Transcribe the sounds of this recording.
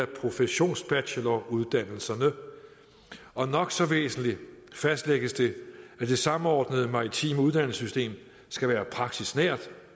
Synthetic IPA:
æpʰʁo̝fəɕo̝̰ːnsb̥æɕəlɒuð̞ˠd̥æn̰l̩sɐnə | ɒ̽nɒ̽ɡ̥sɒ̽ʋḛːsn̩lifæsd̥leɡ̥əsd̥e̝æd̥e̝sɑ̈m̩ɒːd̥nəð̞̩ˠəmɑ̈ʁit͡sʰḭːməuð̞ˠd̥æn̰səsysd̥e̝̰ːm | sɡ̥æʋæːɐpʰʁɑ̈ɡ̥̚d̥isnæɐ̰d̥

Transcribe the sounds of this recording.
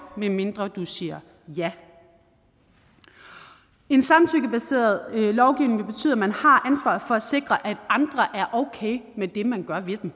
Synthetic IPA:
meme̝nd̥ʁɐd̥usiːɐ | jæ | e̝nsɑ̈mt͡sʰyɡ̥əb̥æse̝̰ːɐð̞̩ˠlɒʊɡ̥iʊneŋʋeb̥e̝t͡sʰy̰ðˠæmænhɑ̈ʔænsʋɑ̰̈ːð̩ˠfɒ̽æse̝ɡ̥ʁɐʔæd̥ɑ̈nd̥ʁɐʔæɐʔoʊkʰeɪmed̥e̝mænɡ̥ɶɐʋe̝d̥em

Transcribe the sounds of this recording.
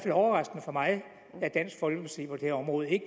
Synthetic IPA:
felɒʊɐʁɑ̈sɡ̥ənəfɒ̽mɑ̈ɪ | æɐd̥æn̰sɡ̥fɒ̽lɡ̥əpʰinsḭːpʰɒ̽d̥e̝hæɐɒ̽mʁɔ̽ːð̩ˠe̝ɡ̥

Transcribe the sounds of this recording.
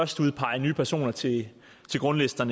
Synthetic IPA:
ɶɐsd̥uð̞ˠpʰɑ̈ɪɐnyːpʰæɐso̝̰ːnɐt͡sʰe̝ | t͡sʰe̝ɡ̥ʁɔ̽nlesd̥ɐnə

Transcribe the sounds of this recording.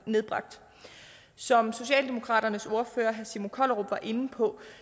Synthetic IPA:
ne̝ð̞ˠb̥ʁɑ̈ɡ̥̚d̥ | sɒ̽mso̝ɕɛ̰ːld̥e̝mo̝kʰʁɑ̰̈ːd̥ɐnəso̝ɐføːɐɦæsimokʰɒlʁob̥ʋɑ̈ʔe̝n̩pʰɒ̽

